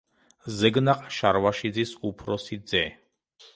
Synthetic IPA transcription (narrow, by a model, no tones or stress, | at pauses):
zɛɡnaqʼʃaɾvaʃid̪zisupʰɾɔsid̪zɛ